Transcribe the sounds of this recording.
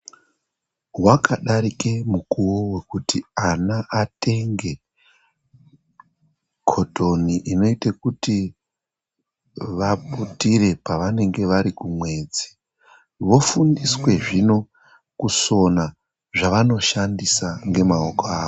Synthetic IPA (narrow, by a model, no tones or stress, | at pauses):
wakaɗaɾike̞mukuwowe̞kutianaʔate̞ŋɡe̞ | kʰo̞to̞niʔino̞itekuti | ʋaputire̞paʋane̞ŋɡe̞ʋaɾikumwe̞d͡zi | ʋo̞fundiswe̞ʐino̞ | kuso̞na | ʐaʋano̞ʃandisaŋɡe̞maokoaːo